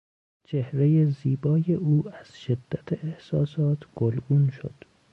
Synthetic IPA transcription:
t͡ʃʰe̞hɾe̞jeziːbɒːje̞ʔuːæz̥ʃe̞d̪ːæt̪ʰeʔehsɒːsɒːt̪ʰɡ̥olɡuːnʃo̰d̪̥

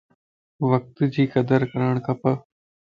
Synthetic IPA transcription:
ʋək̚t̪d͡ʒiːkɐd̪əɾkəɾəɳ̃kapə

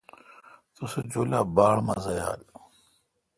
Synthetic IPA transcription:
t̪used͡ʑoːlaːbaːɭmaːzaja̰ːl

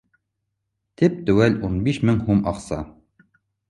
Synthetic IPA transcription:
t̪ip̚t̪ʉ̆wælunbiʃmɘŋhumʔɑqsɑ̰

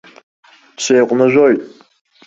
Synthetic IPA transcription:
ʃejqʷʼnɨʒʷojtʼ

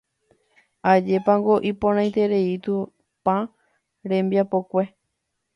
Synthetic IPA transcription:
ad͡ʒe̞pãŋɡo̞ʔipõɾ̃ãj̃t̪e̞ɾe̞it̪u | pã | ɾẽ̞mbjapo̞kʷe̞

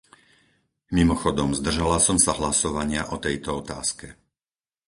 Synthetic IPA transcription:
mimɔxɔd̪ɔmzd̪r̩ʒalasɔmsaɦlasɔʋaɲɪaʔɔt̪ɛjt̪ɔɔt̪a̰ːskɛ

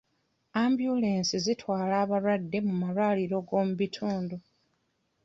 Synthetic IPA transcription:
ambjule̞ːnsizitwaːlaːβaɾwadːe̞mumaɾwaːliɾo̞ɡo̞ːmuβitʰuːndu

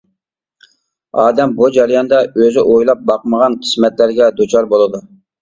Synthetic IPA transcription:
ɑːd̪ɛmbud͡ʒɑɾjɑnd̪ɑøzɪʔojlˠɑp̚bɑqməʁɑnqʰə̥smɛt̪læɾɡʲɛd̪ut͡ʃʰɑɾbolˠɨd̪u

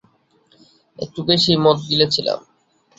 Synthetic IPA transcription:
ḛk̚ʈubeʃimɔt̪d̪ilet͡ɕʰila̰m

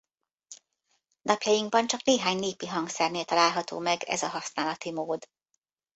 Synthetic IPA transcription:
nɒpjɒjiŋɡ̚bɒnt͡ʃɒkneːɦaːɲneːpiɦɒŋksɛrneːlt̪ɒlaːlɦɒt̪o̰ːmɛɡɛ̰zɒɦɒsnaːlɒt̪imoːd̪

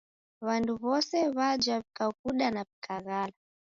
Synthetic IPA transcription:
βanduβɔsɛβad͡ʒwaβikakuɗanapikʰaɣala

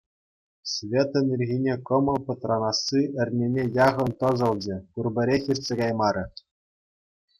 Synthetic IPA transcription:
svʲet̪ɘ̆nʲirʲɣʲinʲekɤ̆mɤ̆pɤ̆t̪rɑnɑsːiɘ̆rʲnʲenʲejɑʁɤ̆nt̪ɤ̆zɤ̆lˠd͡ʑɘ̆kurbʲɘ̆ɾʲexʲirʲsʲeɡɑjmɑɾʲɘ̆

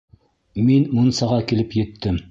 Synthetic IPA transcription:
minmunsɑʁɑkilɘpjɘ̆t̪ʰːɘm

